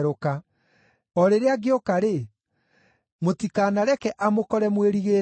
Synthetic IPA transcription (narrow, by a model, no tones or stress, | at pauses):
ɾoka | ɔɾeɾeaɡeokaɾe | motikanaɾɛkɛʔamokɔɾɛmweɾiɣeː